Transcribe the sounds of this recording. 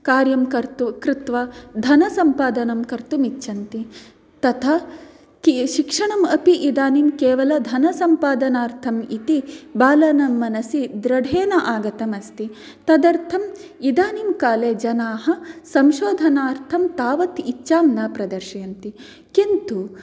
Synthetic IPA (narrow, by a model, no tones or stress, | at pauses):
kaːɾjɐmkɐɾt̪kɾit̪ʋɐd̪ʱɐnɐsɐmpaːd̪ɐnɐmkɐɾt̪umitːʃɐnt̪i | t̪ɐt̪ʰɐ | kiʃikʂɐɳɐmɐpiʔid̪aːnimkeːʋɐlɐd̪ʱɐnɐsɐmpaːd̪ɐnaːɾt̪ʰɐmit̪ibaːlɐnɐmːɐnɐsid̪ɾɐɖʱeːnɐʔaːɡɐt̪ɐmɐst̪i | t̪ɐd̪ɐɾt̪ʰɐmid̪aːnimkaːleːd͡ʒɐnaːɦɐsɐmʃoːd̪ʱɐnaːɾt̪ʰɐmt̪aːʋɐt̪it͡ʃːʃaːmnɐpɾɐd̪ɐɾʃɐɐnt̪i | kint̪u